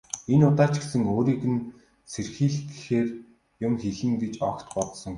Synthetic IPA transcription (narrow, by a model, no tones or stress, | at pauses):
enʊt̪aːt͡ɕɡesɘ̆ŋoːɾiːkɘ̆n | serxiːɮxeːr | jʊmxeɮɘ̆ŋɡet͡ɕɔkt̪ɢɔt̪sɞ̆ŋ